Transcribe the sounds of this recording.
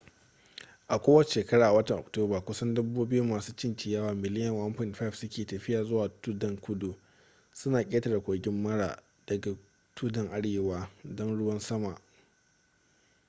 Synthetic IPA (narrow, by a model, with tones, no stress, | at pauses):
ʔa˨kʷoː˦wɐ˦˨ʃeː˨kɐ˦ɽaː˨ʔa˨wɐ˦tɐ˨ŋʔɔ̰˨k̚toː˦baː˨kʷʊ˦sɐ˦ndʊ˦bːuː˦bɪ˦ju˦mːaː˨suː˦t͡ʃɪ˦nt͡ʃɪ˨jɐː˦waː˨mɪ˨lɪ˦jɐ˨ŋʔɐ˦mɸɪ˦˨nɸa˦˨fsʊ˦kʲeː˨tɐ˨ɸɪ˦jaː˨zʊ˦waː˨tu˦dɐ˨ŋkʷʊ˦du˨ | sʊ˦naː˨kʲʼeː˦ta˨da˨kʷʼoː˨ɡʲɪ˦mːɐ˦ɽa˨ | d̥ɐ˨ɡa˨ | tʰu˦dɐ˨ŋʔa˦ɽeː˨waː˦dɔ˦nɽʊ˦wɐ˦nsɐ˦ma˨ʔ